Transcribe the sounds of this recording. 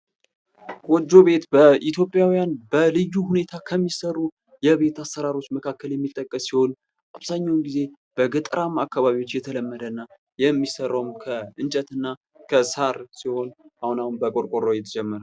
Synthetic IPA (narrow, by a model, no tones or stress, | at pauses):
wɔd͡ʒːo̞βe̞t̪bəʔit̪ʰjo̞pʼːjawijanbəlɨjːuhune̞t̪ʰakʰəmːisərːu | jɛβe̞t̪asːəɾaɾo̞t͡ʃːməkʰakːəljɛmːit̪ʼːəkʼːəsːiho̞n | ʔaβzaɲːawnɡize̞ | b̥əɡɨt̪ʼɾamakːaβaβiwo̞t͡ʃːjɛt̪ʰələmːəd̪ənːa | jɛmːisərːəwumkʰəɨnt͡ʃʼət̪ɨnːa | kʰəsaɾsiho̞nʔahunahunbəkʼoɾkʼoɾːojɛt̪ʰəd͡ʒɛmːəɾa